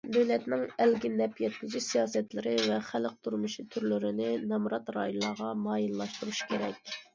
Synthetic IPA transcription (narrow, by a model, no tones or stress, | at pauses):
d̪øwlɛt̪nɪŋɛlɡʲɪnɛpjɛt̪mɪd͡ʒisijɑːsɛt̪lɪɾɪvɛχælq̚t̪ʰuɾmuʃit̪ʰyɾlyɾɪnɪnɛmɾɑt̪ɾɑ̰ːjulˠːɑʁɑmɑːjilːˠɑʃt̪uɾuʃi̥kʲʰeɾɛ̰kʲ